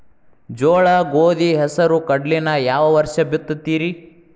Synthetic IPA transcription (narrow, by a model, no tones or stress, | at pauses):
d͡ʒoːɭɐɡoːd̪iɦɛsɐɾukɐɖlinɐjaːʋɐʋɐɾʃɐbit̪ːut̪ːiːɾi